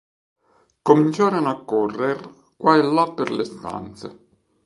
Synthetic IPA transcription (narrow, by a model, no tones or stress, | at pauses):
komint͡ʃaːɾɪnakːɔrːer | kwaelːapːerlest̪a̰nt̪se